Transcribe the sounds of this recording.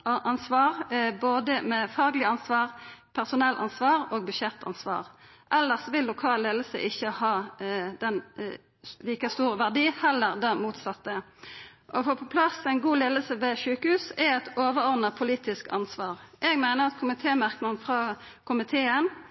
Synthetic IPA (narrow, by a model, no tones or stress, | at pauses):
ʔɑnsʋɑːʁboːd̪əmɛfɑːɡlɪɑnsʋɑːʁpʰæʁsʊnɛlːʔɑ̰nsʋɑːʁoːɡ̚bʏʃɛt̪ʰɑ̰nsʋɑ̰ːʁ | ʔɛlːəʁsɔʋɪllʊkʰɑːllːeːd̪l̩sə̰ʔɪçːəhɑːd̪ɛn | liːkəst̪uːʁəʋæʁd̪iːhɛlːəʁd̪ɛmuːt̪sɑt̪ːə | ʔɔfɔpʰɔpʰlɑsæɪnɡuːleːd̪l̩səʋɛʃʉːkəhʉːsɛɛt̪oːʋəʁɔʁd̪nɑpʰʊliːt̪ɪskɑ̰nsʋɑːʁʔɛːɡmæɪnəʁɑt̪kʰʊmɪt̪ʰeːmæʁknɑnfʁɑː | kʰʊmɪt̪ʰeːən